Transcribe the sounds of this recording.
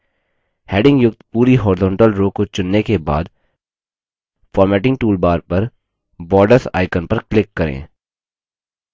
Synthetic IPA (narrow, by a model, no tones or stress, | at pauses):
hɛːɖɪ̃ŋɡjʊkt̪puːɾiɦɔːɾɪzɔ̃ːɳʈəlɾoːkot͡ʃʊnːekeba̰ːd̪ | fɔːɾmɛːʈɪ̃ŋɡʈuːlbaːɾpɐɾ | bɔːɾɖəɾsa̰ːɪkənpɐɾklɪkːɐɾḛ̃ː